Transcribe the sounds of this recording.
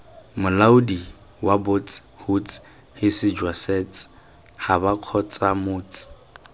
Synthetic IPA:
mʊlauʊdi | wabot͡sʼɪ̥hut͡sʼɪ̥ | hɪsɪd͡ʒwasɛt͡sʼɪ̥ | habakʰɔt͡sʼamʊːt͡sʼɪ̥

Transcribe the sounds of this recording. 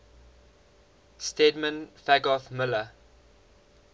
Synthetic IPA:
stɛdmə̃nfæɡɔθmɪlə

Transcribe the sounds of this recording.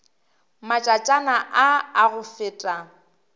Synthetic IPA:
mat͡ʃʼat͡ʃʼanaʔaaɣʊfɪːtʼa

